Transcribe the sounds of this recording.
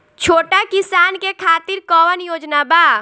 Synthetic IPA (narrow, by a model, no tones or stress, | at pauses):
t͡ʃʰoːʈakisankekʰaːt̪iɾkɔwənjoːd͡ʒnaba